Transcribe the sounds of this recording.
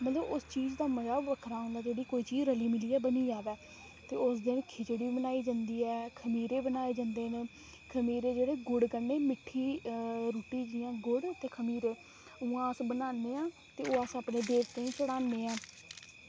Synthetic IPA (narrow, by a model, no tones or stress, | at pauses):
mət̪ləbʊst͡ʃiːzd̪aːməzaːʋəkʰɾaːɦõnd̪aːd͡ʒeːɽiːkoːiːt͡ʃiːzɾəliːmɪliːɛːbəniːd͡ʒaːd̪aː | t̪eːʊsd̪ɪnkʰɪt͡ʃɪɽiːbənaːiːd͡ʒãːnd̪iːɛːkʰəmiːɾeːbənaːeːd͡ʒãːnd̪eːneː | kʰəmiːɾeːd͡ʒeːɽeːɡʊɽɡənːeːmɪʈʰːiːɾuːʈiːd͡ʒɪjãːɡʊɽt̪ːeːkʰəmiːɾeː | ʊːãːəsbənaːnd̪eːãː | t̪eːoːasapneːd̪eːɾt̪ẽːĩːt͡ʃəɽaːnd̪eːãː